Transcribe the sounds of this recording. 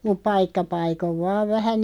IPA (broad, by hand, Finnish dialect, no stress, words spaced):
mup pɑikːɑ pɑikoʋ ʋɑːʋ ʋæhæ